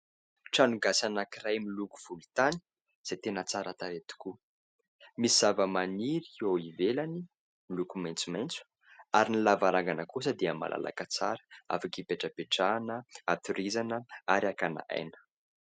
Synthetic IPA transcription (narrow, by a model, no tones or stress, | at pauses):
ʈ͡ʂanuɡasanakiɾajmiluku̥v̥ulut̪ani̥ | z̥at̪enət͡saɾat̪aɾet̪u̥ku | misiz̥avəmaniɾiowivelani | milukumajnt͡sumajnt͡su̥ | aɾinilavaɾaŋɡanəkus̬əd̪iəma̰lʔa̰la̰kat͡saɾə̥a̰fakipeʈ͡ʂəpeʈ͡ʂanəat̪uɾizanəaɾakana̰a̰jnə̥